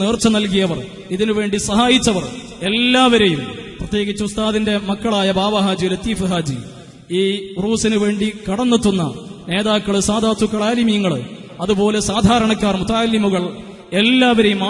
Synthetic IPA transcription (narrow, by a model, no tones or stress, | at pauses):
neːrt͡ɕːɐnɐlkijɐʋɐr | iðinuʋe̞ːɳɖisɐɦaːjit͡ɕːɐʋɐr | e̞lːaːʋɐɾe̞jumprɐt̪je̞ːɡit͡ɕːuust̪ʰaːðinde̞mɐkːɐɭaːjɐbʱaːʋɐɦaːd͡ʑɐjilet̪iːfɨɦaːd͡ʑḭ | iːruːsinɨʋe̞ːɳɖikɐɽɐnːɐt̪ːunːɐne̞ːðaːkːɐɭɨsaːd̪ʱaːt̪ːukːɐɭaːlimijɐŋːɐɭ | ɐðupo̞ːle̞saːd̪ʱaːɾɐɳɐkːaːrmut̪aːlimuɣɐɭ | e̞lːaːʋɐɾejum